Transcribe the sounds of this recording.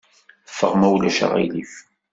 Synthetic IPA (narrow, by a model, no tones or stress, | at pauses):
fːəʁmæwlæʃa̰ʁḭlif